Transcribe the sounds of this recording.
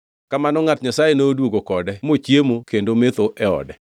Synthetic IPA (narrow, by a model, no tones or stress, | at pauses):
kamanɔŋatɲasajenodwoɡokɔdɛmot͡ʃjemokendomet̪oʔɛɔ̰dɛ